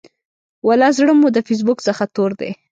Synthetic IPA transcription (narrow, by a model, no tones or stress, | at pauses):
walɑzɽəmud̪əfis̬bʊksəxat̪oɾd̪ḛ